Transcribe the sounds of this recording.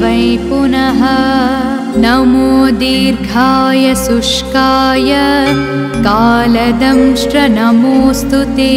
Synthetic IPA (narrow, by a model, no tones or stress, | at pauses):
ʋɐjpunɐɦɐ | nɐmoːd̪iːɾɡʱaːjɐsuʂkaːjɐ | kaːlɐd̪ɐmʂɾɐnɐmoːst̪ʰut̪e